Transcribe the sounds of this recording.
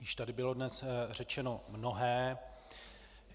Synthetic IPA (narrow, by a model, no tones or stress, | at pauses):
jɪʃt̪adɪbɪlo̞dnɛsr̝ɛt͡ʃɛno̞mno̞ɦɛː